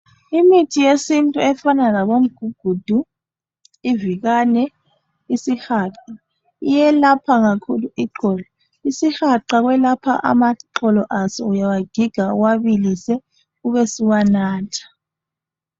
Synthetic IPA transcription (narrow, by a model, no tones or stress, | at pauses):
imitʰijesintʼuɛfanalaβom̩ɡ̥ʱuɡ̥ʱud̥ʱu | iviɣanɛ | isixaːǁa | ijɛlapʰaɣakʰuluiǃɔlɔ | isixaǃaɣwɛlapʰa̰ʔa̰maǃɔlɔʔasɔ̰ujawaɡ̥ʱiɡ̥ʱaṵwaβilisɛ | uβɛsiwanaːtʰḁ